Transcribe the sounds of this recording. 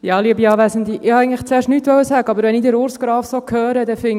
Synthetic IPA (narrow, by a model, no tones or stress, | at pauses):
jɑliəbiɑːʋæsən̩d̪iʔɪhɑæɪɡŋ̩tləχt͡seːɾʃtnyːt̪ʋœwəsæːɡəɑbəɾʋɛnid̪ɪɾʊɾsɡ̥ɾɑːfsokʰhœːɾəd̪ɛfɪŋ